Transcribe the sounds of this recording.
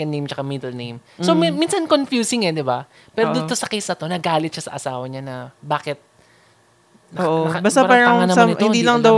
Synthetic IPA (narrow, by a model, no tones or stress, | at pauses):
kɐnejmt͡ʃɐkamid̪ɐlnejmsomminsɐnkonfjuːsɪŋɛd̪ɪba | pɛːɾod̪ʊt̪osɐkɛsɐt̪o̞nɐɡaːlɪt̪̚ʃɐsɐ̰ʔɐsaːwɐɲɐnɐbaːkɪt̪̚ | noːʔobast̪apaːɾɐŋɐhɪnd̪iːlɐŋd̪ɐw